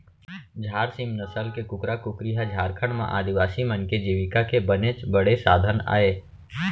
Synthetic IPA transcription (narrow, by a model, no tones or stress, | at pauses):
d͡ʒʱaːɾsimnəsəlkekʊkɾakʊkɾiɦad͡ʒʱaːɾkʰəɳ̃mã̰ʔaːd̪iʋaːsimə̃nked͡ʒiːʋɪkakebənet͡ʃbəɽ̤esaːd̪ʱəna̰ːeː